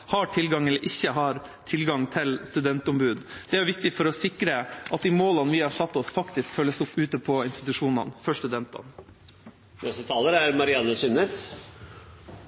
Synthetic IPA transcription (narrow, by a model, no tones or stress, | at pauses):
hɑʈʰɪlɡɑŋɛlːəɾʔɪçːəɦɑɾ | t̪ʰɪlɡɑŋt̪ʰɪlst̪ʉd̪ɛnt̪ʊmbʉːd̪d̪ɛæɾjʊʋɪk̚t̪ɪfɔɾɔsɪkɾəʔɑt̪̚d̪iːmoːlɑnʋɪːhɑʂɑt̪ːɔsfɑkt̪ɪskfœlːəsʊpːʉːt̪əpʰɔɪnst̪ɪt̪ʉʂuːnɑ̰nfœʂt̪ʉd̪ɛnt̪ɑ̰n | nɔsət̪ʰɑːləɾæɾmɑɾɪɑnːəsʉnes